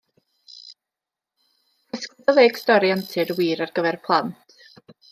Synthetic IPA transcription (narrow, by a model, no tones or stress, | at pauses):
ɪskɪðɔveːɡ̥stɔɾiantʰɪɾwiːɾarɡəvɛrpʰlˠantʰ